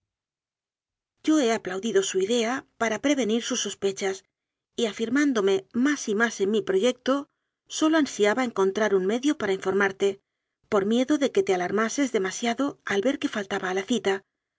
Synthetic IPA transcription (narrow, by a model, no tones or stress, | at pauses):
ɟ͡ʝo̞e̞aplawðiðo̞suiðe̞apaɾapɾe̞β̞e̞niɾsusːo̞spe̞t͡ʃas | iafiɾmand̪o̞me̞masimase̞nmipɾo̞ʝe̞k̚t̪o̞ | so̞lo̞ansiaβae̞ŋko̞nt̪ɾaɾuŋme̞ðjo̞paɾaiɱfo̞ɾmaɾt̪e̞ | po̞ɾmje̞ðo̞ðe̞ke̞t̪e̞alaɾmase̞zðe̞masjaðo̞alβe̞ɾke̞falt̪aβaːlaθit̪a